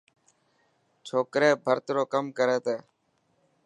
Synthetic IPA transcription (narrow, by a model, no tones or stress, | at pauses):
t͡ʃʰoːkɾeːbʱəɾt̪ɾoːkəmkəɾeːt̪eː